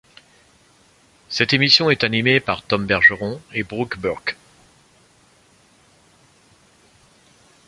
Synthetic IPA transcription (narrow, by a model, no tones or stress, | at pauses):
sɛt̪emisjɔ̃ɛt̪animepaʁt̪ɔmbɛʁʒəʁɔ̃ebʁukbyʁɡ